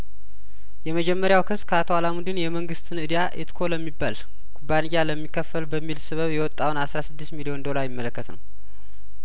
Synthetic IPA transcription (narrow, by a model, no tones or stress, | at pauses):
jɛməd͡ʒɛmːəɾjawkʰɨsːkʰəat̪ʰoalamud̪ɨnjɛməŋɡɨst̪ʰɨnɨd̪ijaʔet̪kʰo̞ləmːibːal | kʰubːanijːaləmːikʰːəfːəlbəmːilsɨβəβjɛwɔt̪ʼːawnasɾasɨd̪ːist̪milio̞nd̪o̞laɾjɪmːələkːət̪nə̰w